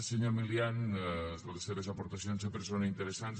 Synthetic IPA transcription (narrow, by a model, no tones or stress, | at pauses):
seɲomiljanzolseβezapoɾt̪asjonzepeɾs̬onaint̪eɾesans